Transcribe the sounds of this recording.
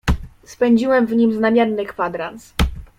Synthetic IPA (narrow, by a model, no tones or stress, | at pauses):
spɛɲd͡ʑiwɛmvɲimznamʲjɛɾnɘkfad̪ɾans